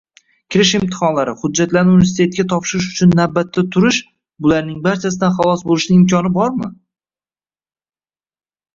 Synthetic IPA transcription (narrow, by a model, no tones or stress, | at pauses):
kʲʰɪɾɪʃɪmt̪ʰɪ̥χɒnlaɾɪhʊd͡ʒːat̪laɾnɪʊnvest̪ʰe̞t̪̚ɡʲat̪ʰɒpʃɪɾɪʃ̬ʊt͡ʃʰʊnːabːat̪ʰːat̪ʰʊɾɪʃ | bʊlaɾnɪŋbaɾt͡ʃʰas̬ɪd̪anχɑlˠɒsbolɪʃnɪŋɪmkʲʰɒnɪbɒɾmɪ